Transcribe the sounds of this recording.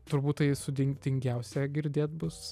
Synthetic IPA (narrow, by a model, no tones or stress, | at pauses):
t̪ʊɾbuːt̪tɐɪsʊd̪ʲɪŋd̪ʲɪŋʲɡʲɛʊsʲɛɡʲɪɾʲd̪ʲeːt̪̚bʊs